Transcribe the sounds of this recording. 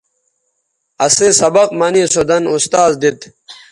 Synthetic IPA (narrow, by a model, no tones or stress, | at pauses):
ɐsesɐbɐqmɐniːsod̪ɐnust̪aːzd̪it̪